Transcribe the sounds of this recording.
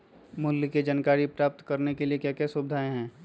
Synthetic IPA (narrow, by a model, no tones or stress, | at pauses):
mʊliked͡ʒaːnkaːɾipɾaːp̚t̪kɐɾnekeliekjaːkɛsʊbd̪ʱaːẽɦɛ̃ː